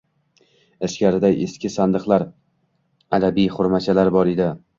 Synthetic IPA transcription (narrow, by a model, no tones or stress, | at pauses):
ɪʃkʲaɾɪd̪ajeskʲɪsand̪ɨqlˠaɾ | ad̪abijχʊɾmat͡ʃʰalaɾbɒɾed̪ɪ